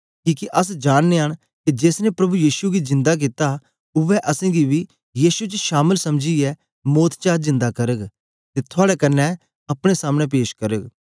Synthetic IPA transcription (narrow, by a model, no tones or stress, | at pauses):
kiːkiʔɐsd͡ʒaːnːeəɽ̃ | kid͡ʒeːsnepɾɐbujiːʃuɡizɪ̃nd̪ak̬it̪a | ʊʋɛʔɐsẽːɡibi | jiːʃut͡ʃʃaːməlsɐmd͡ʒiɛː | moːt̪ʰt͡ʃaːɾzɪ̃nd̪akɐɾəɡ | t̪et̪ʰʊaːɽɛkɐnːɛ | ɐpɽ̃esaːmɽ̃ep̬eːʃkɐɾəɡ